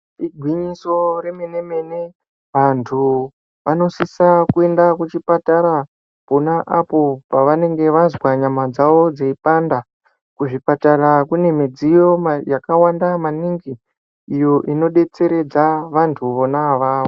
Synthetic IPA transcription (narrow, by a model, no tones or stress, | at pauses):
iɡʱwiɲiso̞ɾemene̞me̞ne̞ | ʋantʰu | ʋano̞sisakue̞ndakut͡ʃipataɾa | ponaʔapo̞paʋane̞ŋɡe̞ʋazwaɲamad͡zaʋo̞d͡zeipanda | kuʐipatarakune̞mid͡zijo̞majakawandamaniŋɡi | ijo̞ʔino̞ɗe̞t͡se̞ɾe̞d͡zaʋantʰuʋo̞naʋaːʋo